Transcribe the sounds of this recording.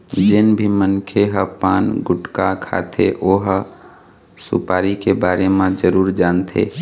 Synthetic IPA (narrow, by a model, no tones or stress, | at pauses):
d͡ʒɪnbʱimənkʰeɦəpaːnɡʊʈkakʰa̰t̪ʰḛʔoːɦ | sʊ̰paːɾikebaːɾemãd͡ʒəɾuːɾd͡ʒaːnt̪ʰḛ